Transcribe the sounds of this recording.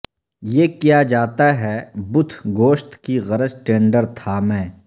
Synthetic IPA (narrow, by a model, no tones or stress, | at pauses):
jeːkijad͡ʒaːt̪aɦɛbʊt̪ʰɡoːʃt̪kiɣɐɾəd͡ʒʈẽːɳɖəɾt̪ʰaːmɛ̃ː